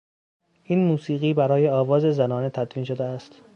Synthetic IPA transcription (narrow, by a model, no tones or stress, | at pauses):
ʔiːnmuːsiːɣiːbæɾɒːje̞ɒːvɒːze̞zænɒːne̞t̪ʰæd̪viːnʃod̪eæst̪